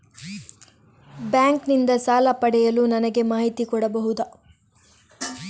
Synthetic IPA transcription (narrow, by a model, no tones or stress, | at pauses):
bjaːŋknind̪ɐsaːlɐpɐɽɛjɐlunɐnɐɡe̞maːɦit̪ikɔɽɐbɐɦud̪ɐ